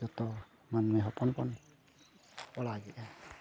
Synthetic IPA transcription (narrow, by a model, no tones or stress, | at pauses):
d͡ʒɔt̪ɔ | manmɛɦɔpɔnpɔn | ɔlaɡɛʔa